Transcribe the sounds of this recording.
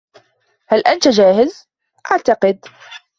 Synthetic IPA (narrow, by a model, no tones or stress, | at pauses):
halʔant̪ad͡ʒaːhɪz | ʔaʕt̪aqɪd̪